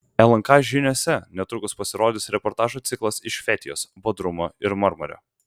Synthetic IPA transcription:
ɛlˠɐŋkɑʒʲɪnʲoːsʲɛnʲɛt̪ɾʊkʊspɐsʲɪɾoːd̪ʲɪsɾʲɛpɔɾt̪ɑːʒuːt̪sʲɪklˠɐsɪʃʲfʲɛt̪ʲɪjoːsbod̪ɾʊmoɪɾmɐɾmɔ̰ɾʲo̰ː

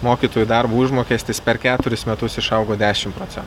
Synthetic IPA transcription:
moːkʲiːt̪oːjud̪ɐɾbuːɪʒmoːkʲeːst̪ʲɪspʲɛɾkʲæːt̪ʊɾʲɪsmʲɛt̪ʊsɪʃɐʊɡoːd̪ʲæːʃʲɪmpɾoːt̪sʲɛ̰n

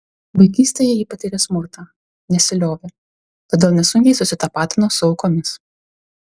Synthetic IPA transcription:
bɐɪkʲiːsʲt̪ʲeːjɛjiːpɐt̪ʲɪɾʲɛsmʊɾt̪ɑː | nʲɛsʲɪlʲoːʋʲe | t̪ɐːd̪ʲeːlˠnʲɛsʊŋʲkʲɛɪsʊsʲɪt̪ɐpɑːt̪ʲɪnoːsʊɐʊkoːmʲɪs

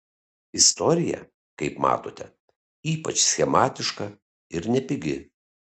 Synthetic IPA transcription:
ɪst̪ɔɾʲɪjɛ̰ | kɐɪpmɑ̰ːt̪oːt̪ʲɛ | iːpɐt͡ʃsʲxʲɛmɑːt̪ʲɪʃkɐ | ɪɾnʲɛpʲɪɡʲɪ

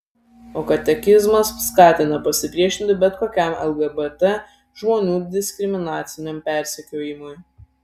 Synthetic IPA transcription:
oːkɐt̪ʲɛkʲɪzmɐsːkɑːt̪ʲɪnɐpɐsʲɪpʲɾʲiɛʃʲɪnʲt̪ʲɪbʲɛt̪koːkʲæˑmɛ̰lˠɡɛbɛt̪ɛ | ʒmoːnʲuːd̪ʲɪsʲkʲɾʲɪmʲɪnɑːt̪sʲɪnʲɛmpʲɛˑɾʲsʲɛkʲoːjɪmʊj

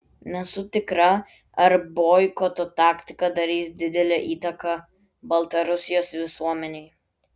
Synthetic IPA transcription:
nʲɛsʊt̪ʲɪkɾɐ | ɐɾboːjkot̪ɔt̪ɑːkʲt̪ʲɪkɐd̪ɐɾʲiːsd̪ʲɪd̪ʲɛlʲɛʔiːt̪ɐkɐ | bɐlˠt̪ɐɾʊsʲɪjoːsʋʲɪsuɔmʲɛnʲɛɪ

